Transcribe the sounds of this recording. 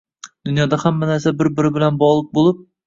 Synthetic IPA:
d̪ʊnjɒd̪ahamːanaɾsabɪɾbɪɾɪbɪlanbɒʁlˠɨk̚bolˠɪp̚

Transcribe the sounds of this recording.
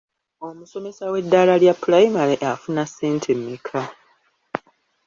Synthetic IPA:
o̞muso̞me̞sawe̞dːalaljapːulajimaɾeʔafunasːeːntʰemːikʰa

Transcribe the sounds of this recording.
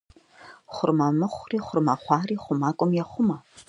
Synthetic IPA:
χʷʊrmɐmɨχʷriːχʷʊrmɐχʷɑːriːχʷʊmaːkʷʼʊmjɛχʷʊmɐ

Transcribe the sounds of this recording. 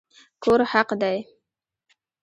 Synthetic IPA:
kʰoɾhaqd̪aj

